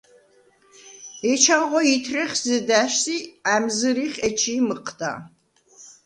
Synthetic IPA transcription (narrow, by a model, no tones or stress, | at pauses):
ɛt͡ʃʰaʁʷɔitʰrɐχʲzɨdaʃsiːamzɨɾiːχʲɛt͡ʃʰiːmɨqʰda̰ː